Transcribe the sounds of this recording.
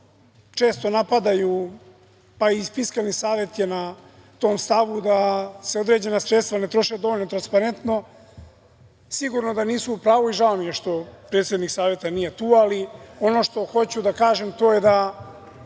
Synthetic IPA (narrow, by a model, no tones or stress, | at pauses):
t͡ʃe̞ːst̪o̞napad̪aju | paifiskalnisaːʋet̪jena | t̪o̞ːmst̪aʋud̪ase̞o̞d̪ɾe̞d͡ʑe̞nasɾet̪st̪ʋanet̪ɾo̞ʃed̪o̞olnot̪ɾanspaɾent̪no̞ | siɡuɾno̞d̪aniːsuːpɾaːʋoiʒaomijeʃt̪o̞pɾeːt̪sjed̪niksaːʋje̞t̪anije̞t̪uːalio̞no̞ʃt̪o̞xo̞t͡ɕud̪akaːʒe̞mt̪o̞ːje̞d̪a